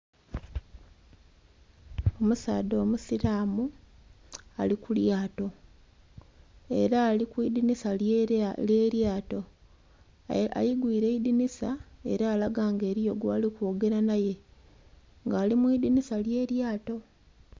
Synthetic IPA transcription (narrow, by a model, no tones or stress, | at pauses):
o̞musa̰ːdo̞ːmusiɾaːmu | alikuljaːto̞ | e̞̰ɾaːlikwid̪inisa | eːɾjaːto̞ | a̰jiɡwiːɾe̞idinisae̞̰ɾaːlaɡaːŋɡe̞ːɾijo̞ɡwaːlikwoɡe̞ɾanaje̞ | ŋɡaːlimwiːd̪inisalje̞ːɾjaːto̞